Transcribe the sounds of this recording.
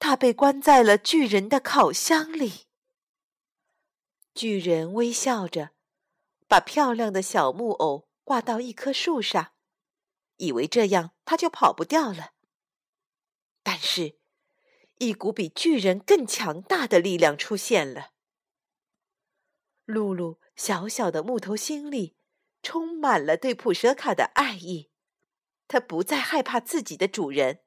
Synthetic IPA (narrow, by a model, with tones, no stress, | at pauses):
t̪ʰa˥pe˥˩ɪkwa˥nt͡sa˥˩ɪlə˩t͡ɕy˥˩ɻə˧˥nd̪ə˧kʰɑ˨˩ʊɕjɑ˥ŋli˨˩ | t͡ɕy˥˩ɻə˧˥nwe˥ɪɕjɑ˥˩ʊʈ͡ʂə˩ | pa˨˩pʰjɑ˥˧ʊljɑ˥˩ŋd̪ə˩ɕjɑ˨˩ʊmu˥˩ʔo˨˩˦ʊ | kwa˥˧t̪ɑ˥˧ʊi˥˩kʰɤ˥ʂu˥˧ʂɑ˥˩ŋ | i˨˩we˧˥ɪʈ͡ʂɤ˥˧jɑ˥˩ŋt̪ʰa˥t͡ɕjo˥˩ʊpʰɑ˨˩ʊpu˧˥t̪jɑ˥˩ʊlə˩ | t̪a˥˧nʂɻ̩˥˩ | i˥˩ku˧˥pi˨˩t͡ɕy˥˩ɻə˧˥nkɤ˥˩ŋt͡ɕʰjɑ˧˥ŋt̪a˥˩d̪ə˩li˥˧ljɑ˥˩ŋʈ͡ʂʰu˥ɕjɛ˥˩nlə˩ | lu˥˧lu˥˩ | ɕjɑ˧˥ʊɕjɑ˨˩ʊd̪ə˦mu˥˩t̪ʰo˧˥ʊɕi˥nli˥˩ | ʈ͡ʂʰʊ˥ŋma˨˩nlə˦t̪we˥˩ɪpʰu˨˩ʂɤ˧˥kʰa˨˩d̪ə̰˦ʔa˥˧ɪi˥˩ | t̪ʰa˥pu˧˥t͡sa˥˧ɪxa˥˧ɪpʰa˥˧t͡sɹ̩˥˩t͡ɕi˨˩d̪ə˦ʈ͡ʂu˨˩ɻə˧˥n